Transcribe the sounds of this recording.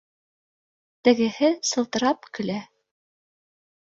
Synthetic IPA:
t̪ɘ̆ɡɘ̆hɘsɤ̆lˠt̪ɤ̆ɾɑpkɵ̆læ

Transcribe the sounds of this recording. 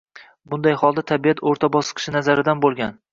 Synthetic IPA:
bʊnd̪ajhɒlˠd̪at̪ʰabijat̪ʰoɾt̪ʰabɒsɨ̥qʰɨ̥ʃɪnazaɾɪd̪anbolˠɡʲan

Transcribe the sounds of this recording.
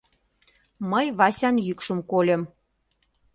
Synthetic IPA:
məjβɑsʲɑnjykʃəmkolʲĕm

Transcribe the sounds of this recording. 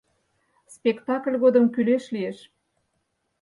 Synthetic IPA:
spʲekt̪ɑklʲɣod̪əmkyleʃlieʃ

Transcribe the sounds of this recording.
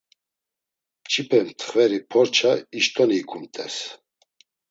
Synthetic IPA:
t͡ʃʰipʰɛmt̪ʰχvɛɾipʰɔɾt͡ʃʰaiʃt̪ʼɔniːkʰʼumt̪ʼɛs

